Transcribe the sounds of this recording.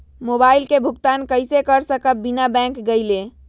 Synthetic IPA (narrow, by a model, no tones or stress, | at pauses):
mobailkebʱuɡt̪ankəjsekəɾsəkəp̚binabɛ̃ŋkɡəɪle